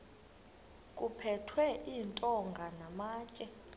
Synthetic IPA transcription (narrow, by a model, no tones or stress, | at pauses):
kʼupʰɛtʰwɛʔiːntʼɔŋɡʱanamaːt͡ʃʼɛ